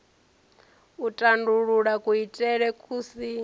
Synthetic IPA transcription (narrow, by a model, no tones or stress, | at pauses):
utʼanduɺuɺakʼuitʼɛɺɛkʰʼuːsi